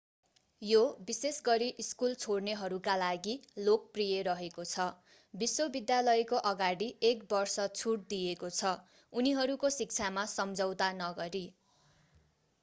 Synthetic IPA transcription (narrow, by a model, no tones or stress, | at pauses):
jobisesɡʌɾiʔiskult͡sʰoɽneɦʌɾukalaɡilok̚prijeɾʌɦekot͡sʰʌ | biswobid̪jalʌjkoʔʌɡaɽiekbʌrsʌt͡sʰuʈ̚d̪ijekot͡sʰʌ | uniɦʌɾukosik̚t͡sʰamasʌmd͡zʌwt̪anʌɡʌɾi